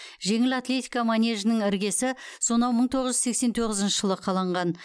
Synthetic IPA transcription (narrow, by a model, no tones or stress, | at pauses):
ʒe̞ŋɪlat̪lʲe̞t̪ijkamanʲe̞ʒənɪŋɪɾɡʲe̞sɪso̞nɑwməɴt̪ʰo̞ʁəʒʏzse̞kse̞nt̪ʰoʁəzɪnʃəʒ̥əlˠəqʰɑlˠɑɴʁɑn